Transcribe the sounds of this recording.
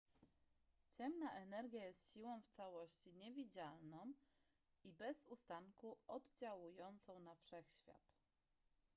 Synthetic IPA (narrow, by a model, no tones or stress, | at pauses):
t͡ɕɛmnaʔɛnɛɾɡʲjajɛst̪ɕiwɔ̃w̃ft̪sawɔɕt͡ɕiɲɛvʲid͡ʑalnɔ̃w̃ | ibɛzust̪aŋkuʔɔd̪d͡ʑawujɔnt̪sɔ̃w̃nafʂɛxɕfʲja̰t̪